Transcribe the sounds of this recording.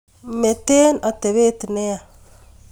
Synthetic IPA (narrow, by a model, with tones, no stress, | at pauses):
me˨te˦na˨te˨βe˦ti˨ne˦a˨